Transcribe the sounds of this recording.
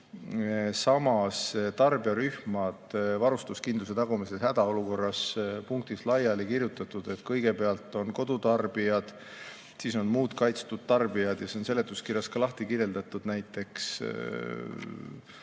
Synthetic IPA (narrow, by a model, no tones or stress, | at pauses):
sɑmɑst̪ɑrbiɑɾyhmɑd̪̥vɑɾust̪uskind̪luse̞t̪ɑɡ̥umiseshæd̪̥ɑo̞luko̞rːɑspuŋk̚t̪islɑjɑlikirjut̪ːˑɑt̪ːˑud̪̥e̞t̪kɤjɡ̥e̞peɑlt̪ːˑo̞nko̞d̪̥ut̪ɑrb̥ijɑd̪̥ | siso̞nmuːd̪kɑjt̪st̪ud̪̥̚t̪ɑrb̥ijɑd̪̥jɑseonse̞le̞t̪ːˑuskirjɑskɑlɑht̪ikirjeld̪ɑt̪ud̪̥næjt̪ːˑe̞ks